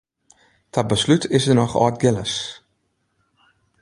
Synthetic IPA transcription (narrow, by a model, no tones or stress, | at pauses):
tʰabəslytʰɪsərnɔχɔ̰ːt̚ɡɪləs